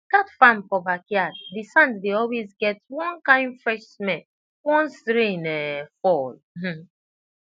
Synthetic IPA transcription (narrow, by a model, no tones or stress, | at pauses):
katfãmpɔbakjaddisãnddeɔlwezɡɛtwɔ̃nkãɪ̃ndfɹɛʃmɛ̃n | wɔ̃nstɾĩnɛfɔl̩ | m̩